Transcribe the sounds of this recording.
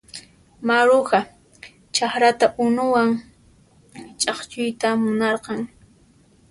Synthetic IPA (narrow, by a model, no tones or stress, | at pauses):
maɾʊɢa | t͡ʃaχɾat̪aʔʊnʊwaŋ | t͡ʃʼɑχt͡ʃʊjt̪amʊnɑɾqɑŋ